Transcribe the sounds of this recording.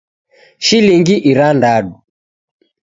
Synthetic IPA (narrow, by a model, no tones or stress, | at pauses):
ʃiliŋɡiʔiɾandaɗu